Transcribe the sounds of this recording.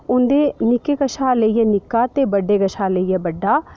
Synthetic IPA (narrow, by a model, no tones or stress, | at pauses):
ʊnd̪eːnɪkeɡəʃaːləijɛnɪkːaːt̪ebəɖːeːɡəʃaːləijɛːbəɖːaː